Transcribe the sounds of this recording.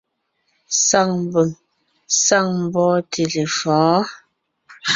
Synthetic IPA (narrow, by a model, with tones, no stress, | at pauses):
sa˦˨ŋm˨bə˨ŋ | sa˦˨ŋm˨bɔː˦tʰe˨le˨fɔ̃ː˨˦